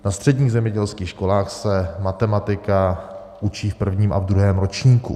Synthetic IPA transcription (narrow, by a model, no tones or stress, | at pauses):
nast̪r̝̥ɛdɲiːɣzɛmɲɛɟɛlskiːxʃkolaːxsɛmat̪ɛmat̪ɪka | ʔut͡ʃiːfpr̩vɲiːmʔa̰vd̪ɾuɦɛːmɾot͡ʃɲiːkṵ